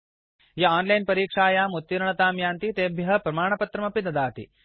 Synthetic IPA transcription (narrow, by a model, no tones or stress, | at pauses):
jɐaːnlɐjnpɐɾiːkʂaːjaːmut̪ːiɾɐɳɐt̪aːmjaːnt̪it̪eːbʱjɐɦɐpɾɐmaːɳ̃ɐpɐt̪ɾɐmɐpid̪ɐd̪aːt̪ḭ